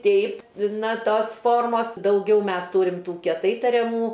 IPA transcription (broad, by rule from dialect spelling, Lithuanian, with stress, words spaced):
ˈtʲɛɪp ˈnɐ ˈtoːs ˈfoːrmoːs dɐʊˈɡʲɛʊ ˈmʲɛs ˈtuːrʲɪm ˈtuː kʲiɛˈtɐɪ tɐrʲɛˈmuː